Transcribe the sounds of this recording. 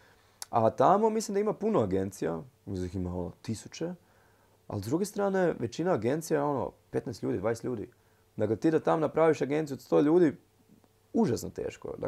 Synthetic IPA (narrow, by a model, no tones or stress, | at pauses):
at̪amo̞mislimd̪aimapunoaɡe̞nt̪sija̰uziximao̞no̰t̪isut͡ɕe | a̰lzd̪ɾuɡe̞st̪ɾaːne̞ʋet͡ɕinaːɡe̞nt̪sijao̞no̰pe̞t̪nɛst̪ʎʲuːd̪id̪ʋaːnest̪ʎʲuːd̪ḭ | d̪aklet̪iːd̪at̪amonapɾaːʋiʃaɡe̞nt̪sjuod̪st̪o̞ːʎuːd̪i | uʒasnot̪ḛːʃko̰d̪a̰